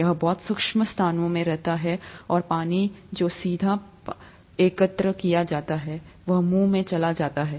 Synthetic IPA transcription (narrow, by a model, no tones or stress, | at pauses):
jɐɦbɔːt̪sʊkʃməst̪ʰaːnõmẽɾɛɦt̪aɦɛɔːɾpaːnid͡ʒoːsiːd̪ʱa | eːkət̪ɾəkijad͡ʒaːt̪aɦɛ | ʋɐɦmuːmẽt͡ʃɐlad͡ʒaːt̪aɦɛː